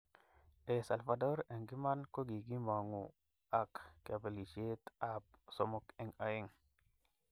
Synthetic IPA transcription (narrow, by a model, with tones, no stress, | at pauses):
e˨sa˨lfa˨do˦ɾe˨ŋɡi˦ma˦nko˦ɡi˨ɡi˦ma˨ŋu˨ | a˨kːa˨be˨li˨ʃe˦t̪a˦pso˨mo˦˨ke˨ŋa˨je˦ŋ